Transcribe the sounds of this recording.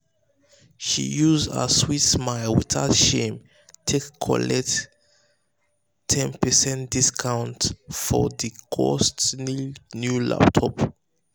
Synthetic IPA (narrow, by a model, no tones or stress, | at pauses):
ʃḭjuzdə̰switsmaɪlwḭðatʃẽm | tʰekʰːɔ̰lɛk̚t | tʰɛ̃npəsɛ̃ntd̥iskʰãʊ̃ntfɔðikʰɔ̰stninjula̰ptʰɔp